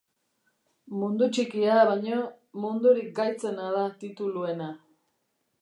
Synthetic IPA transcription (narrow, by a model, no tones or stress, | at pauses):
mund̪ut͡ʃikiaβajɲo | mund̪uɾik̚ɡajt͡se̞naðat̪it̪ulue̞na